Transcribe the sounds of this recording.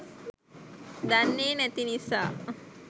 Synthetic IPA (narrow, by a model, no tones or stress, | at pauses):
d̪anːeːnæt̪inisa̰ː